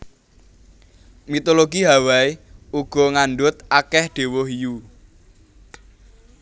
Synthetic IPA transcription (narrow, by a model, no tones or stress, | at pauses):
mit̪oloɡiɦawaiuɡ̥ɔ̤ŋanɖʊt̪̚akɛhɖ̪̥e̤wʊhiju